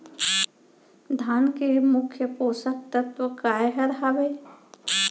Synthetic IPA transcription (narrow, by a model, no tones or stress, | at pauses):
d̪ʱaːnkemʊkʰjəpoːsək̚t̪ət̪ʋəkaːeɦɐɾɦaʋeː